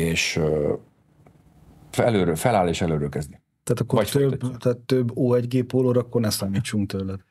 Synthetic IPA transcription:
eːʃ | ɛløːɾøːlfɛlaːlːeːʃɛløːɾøːlkɛzd̪i | t̪aːt̪ɒkːoɒt̪øbt̪at̪ːøbːoːɛɟɡeːpːoːloːɾɒːkːornɛsaːmiːt͡ʃːuŋk̚t̪ølːɛd̪

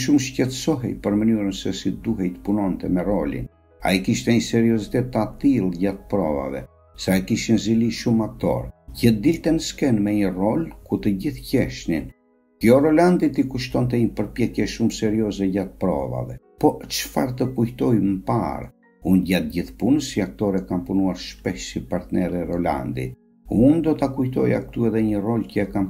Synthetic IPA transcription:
ʃumʃcɛt̪sɔɦɛjpəɾmənyɾənsɛsid̪uɦɛjt̪ə̥punɔnt̪ɛmɛrɔlḭn | a̰ikiʃt̪ɛɲəsɛɾiɔzit̪ɛt̪ːat̪ilˠɟat̪̚pɾɔ̰va̰vɛ̰ | sɛajikiʃinziliʃumak̚t̪ɔ̰ɾɟəd̪ilt̪ɛnəskɛnmɛɲərɔlkuɾt̪əɟiθcɛʃnin | kjɔɾɔland̪it̪ikuʃt̪ɔnt̪ɛɲəpəɾpjɛkjɛʃumsɛɾiɔzɛɟat̪̚pɾɔ̰va̰vɛ | pɔt͡ʃfa̰ɾt̪əkujt̪ɔjməpa̰ɾ | unɟat̪̚ɟiθpunəsiak̚t̪ɔɾɛkanpunuaɾʃpɛʃsipaɾt̪nɛɾɛɾɔla̰nd̪ḭ | und̪ɔt̪akujt̪ɔjak̚t̪uɛðɛɲərɔlcəɛkam

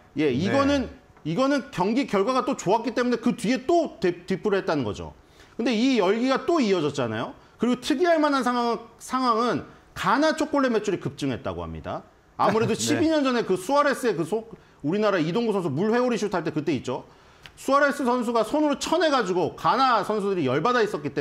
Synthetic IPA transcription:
je̞iɡʌnɯn | iɡʌnɯnkjʌŋɡikjʌɭɡwaɡat͈ot͡ɕoak͈it͈e̞mune̞kɯtɥie̞t͈otetipʰɯɾɯɭhet̚t͈anɯnɡʌ̰d͡ʑo̰ | kɯnde̞ijʌɭɡiɡat͈oiʌd͡ʑʌt̚t͡ɕ͈ana̰jo | kɯɾiɡotʰɯɡiɦaɭmanansʰawasʰaŋɦwaŋɯn | kanat͡ɕʰok͈oɭːe̞me̞t͡ɕʰuɾikɯp̚t͡ɕ͈ɯŋɦe̞t̚t͈a̰ɡo̰ha̰mɲḭda̰ː | muɾe̞doɕʰibiɲʌnd͡ʑʌne̞kɯsʰuaɾe̞s͈ɯe̞kɯsʰo | uɾinaɾaidoŋɡosʰʌnsʰumuɭɸwe̞oɾiɕʰiotʰaɭt͈e̞kɯt͈e̞it̚t͡ɕ͈o | sʰuaɾe̞s͈ɯsʰʌns̬ʰuɡasʰonɯɾot͡ɕʰʌne̞ɡad͡ʑiɡokanasʰʌns̬ʰudɯɾijʌɭbadais͈ʌk͈it͈e

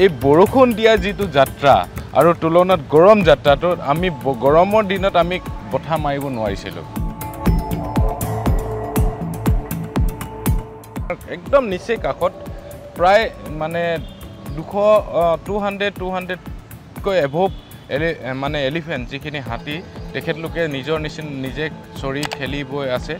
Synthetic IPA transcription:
ejboɹokʰondijazitʊzatɹa̰a̰ɹutulɔnɔtɡɔɹɔmzatɹatʊa̰mibɡɔɹɔmɔɹdinɔtamibɔtʰamaɹibɔnʊwaɹisḭlʊ̰̃ | aɹɛk̚dɔmnisekakʰɔt̚pɹajmanɛdukʰɔtuɦantɛtuɦandɛ | kojɛbʱop̚ | lmanɛelipʰɛnszikʰiniɦatitɛkʰɛtlʊkɛnizɔɹnisnnizɛsoɹikʰelibɔjasɛ

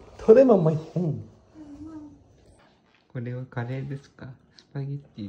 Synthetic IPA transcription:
t̪ʰoɾemamːahẽŋ | koɾeβakaɾeːd̪esɨ̥ka | sɨ̥paɡʲet̪ːi

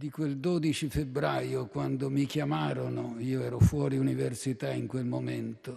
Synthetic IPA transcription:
d̪ikweld̪oːd̪it͡ʃifebɾaːjokwand̪omikjamaːɾonoiːoɛːɾofwɔːɾiuniversit̪aiŋkwelmoment̪o

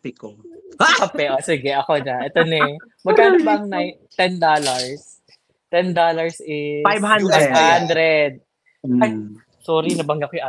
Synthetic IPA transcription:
ɪkokɐpɛʔosɪɡɛʔɐkonɐʔɛt̪onɛ | mɐɡaːnʊbɐŋnaj | t̪ɛnd̪oːlɐɹs | t̪ɛnd̪oːlɐɹsʔɪfajvhanajbhand̪ɾɛd̪̚ | ɐt̪ | sɔːɾinɐbɐŋɡɐkojʊʔa

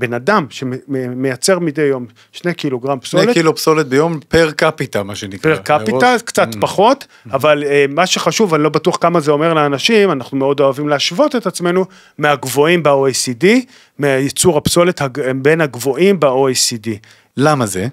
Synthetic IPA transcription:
be̞nadamʃememejat͡se̞ʁmidejːo̞m | ʃne̞kiloɡʁampsonlekilopsolet̪̚bejo̞mpeʁkapitamaʃenikpeʁkapitalkt͡sat̪paχo̞t | avalemaʃe̞χaʃuvanilo̞batuaχkamazeo̞me̞ʁleanaʃimanaχnumeo̞do̞avimleaʃvo̞t̪e̞t̪at͡sme̞nu | meaɡvo̞imbeoesidi | meajet͡suʁhapso̞let̪habe̞nhaɡvo̞ʔimbeoesidi | lamaze

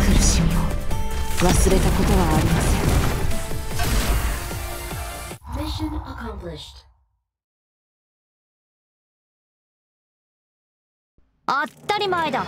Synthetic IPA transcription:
kɯɾɯsioo | βasɨɾe̞t̪ako̞t̪o̞βaːɾʲimasɨjo | zeʃɨ̃nəkãmpliʃt | at̪ːaɾʲimaid̪a

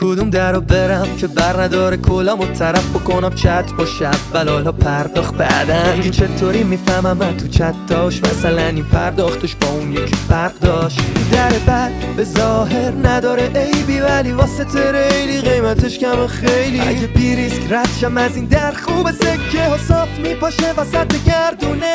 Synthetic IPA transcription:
kʰod̪umd̪æɾobe̞ɾæmcʰe̞bæɾnæd̪ɒːɾekʰolɒmot̪ʰːæɾæfbokonæmt͡ʃʰæt̪ʰbɒʃævːælɒlɒpʰæɾd̪ɒːχbæ̰d̪ækʰet͡ʃʰet̪ʰoɾimifæmæmænt̪ʰut͡ʃʰæt̪̚ʰd̪ɒʃmæsælænipʰæɾd̪ɒːχt̪eʃbɒunjecʰifæʁd̪ɒːʃud̪æɾebæ | bezɒːɦeɾnæd̪ɒːɾeʔejbivælivɒːset̪ʰeɾejliɣejmæt̪ʰeʃkæmɔχejliebiɾiskɾæt̪ʃæmæzind̪æɾχubesekʰːehosɒːft̪mipʰɒːʃevæsæd̪eɟæɾd̪une

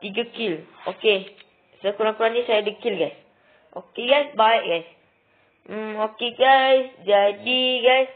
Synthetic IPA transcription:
tiɡəkiloke | səkunapɾanisajdəkːilɡajs | okeɡajsbajʔɡajs̩ | okeɡajsd͡ʒajdiɡajs

